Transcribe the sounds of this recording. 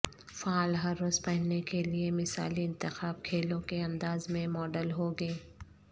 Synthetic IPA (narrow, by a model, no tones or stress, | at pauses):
faːlɦɐɾːoːzpɐɦnekeliemɪsa̰ːliɪ̃nt̪ɪxaːb̚kʰeːlõkeɐ̃nd̪aːzmẽmɔːɖəlɦoɡɐeː